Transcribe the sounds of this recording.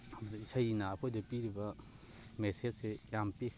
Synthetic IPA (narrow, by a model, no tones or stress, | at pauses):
isajinapʰojdɐpiɾibɐ | mesed͡ʒsejampi